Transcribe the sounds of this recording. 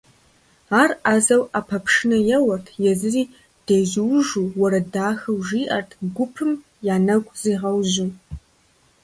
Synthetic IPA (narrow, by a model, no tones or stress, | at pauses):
aːrazɐwʔapʰɐpʰʂɪnɐjɛwɐrtʰjɛzɨriː | d̥eʒɪwʒuːwɐɾɐdaːxɨwʒiːʔɐrtʰɡʷʊpʰɨm | jaːnɐɡʷʼz̥iːʁɐwʑu